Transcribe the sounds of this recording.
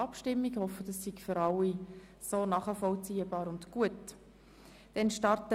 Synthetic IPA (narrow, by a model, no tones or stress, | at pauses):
ɑpʃtɪmːiɡhɔfədɑsːiɡføɾɑlːi | soːnɑːχəfɔlt͡siːəbɑːɾʊndɡ̥uət | d̥ɛnʃtɑɾtə